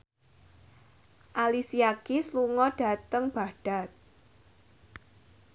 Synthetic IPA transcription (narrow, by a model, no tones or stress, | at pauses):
ʔalisiakisluŋɔɖ̥a̤t̪əŋb̥a̤ɖ̥a̤t̪̚